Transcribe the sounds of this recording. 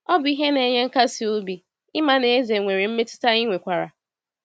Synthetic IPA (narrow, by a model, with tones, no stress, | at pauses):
ɔ˦bʊ˨˦i˦ɦe˦ne˨ɲe˦ŋ̩˦ka˦si˨o˦bi˨ | ɪ˦ma˨ne˨e˦ze˨ŋʷe˨ɾi˨m̩˦me˦tʊ̥˦ta˦i˦ŋʷe˨kʷa˨ɾa̰˨